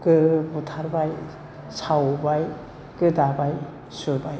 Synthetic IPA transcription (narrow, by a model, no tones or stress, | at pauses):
kɯbutʰaɾbaj | sawbaj | kɯdabaj | suɾbaj